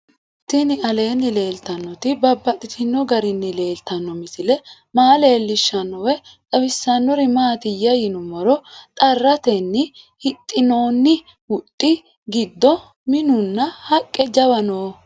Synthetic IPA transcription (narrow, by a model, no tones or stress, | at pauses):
t̪ɪnɪʔɐle̞ːnːɪle̞ːlt̪ɐnːɔt̪ɪbɐbːɐt̪ʼɪt̪ʰɪnːɔɡɐɾɪnːɪle̞ːlt̪ɐnːɔmɪsɪlɛ | maːle̞ːlːɪʃːɐnːɔwɛt̪ʼɐwɪsːɐnːɔɾɪmaːt̪ɪjɐjɪnʊmɔɾɔt̪ʼɐrːɐt̪ɛnːɪ | hɪt̪ʼːɪno̞ːnːɪ | wʊt̪ʼːɪ | ɡɪd̪ːɔ | mɪnʊnːɐhɐkʼːɛd͡ʒɐwɐnoː